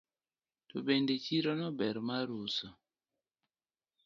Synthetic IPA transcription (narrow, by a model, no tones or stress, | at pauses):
tobendet͡ʃiɾɔnɔbɛɾmaɾusɔ